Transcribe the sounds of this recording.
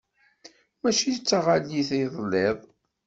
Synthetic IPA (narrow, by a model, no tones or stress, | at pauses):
mæʃit͡sːaʁaliθiðˤlːeðˤ